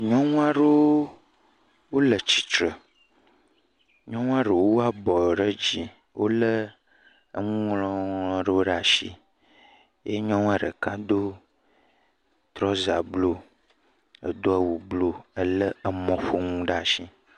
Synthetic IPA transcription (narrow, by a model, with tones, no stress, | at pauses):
ɲɔ̃˦ŋũ˦a˦ɖə˦o˦ | wo˦lə˨t͡ɕi̥˨t͡ʃɾə˨ | ɲɔ̃˦ŋũ˦a˦ɖə˨wo˦a˦bɔ˨ɖə˦d͡ʑi˨ | wʔo̰˦lə˦ | ə˦ŋũ˦ŋlɔ̃˦ŋlɔ̃˦ɖə˦wo˦ɖa˨ʃḭ˦ | je˦ɲɔ̃˦ŋ̃˦a˦ɖə˨kã˦d̪o˦ | t̪ɾɔ˦za˨blo˦ | ə̰˨d̪o˦a˨wu˨blo˦ə˦lə˦ə˨mɔ̃˨ɸo˦ŋũ˦ɖa˦a˨ʃi˦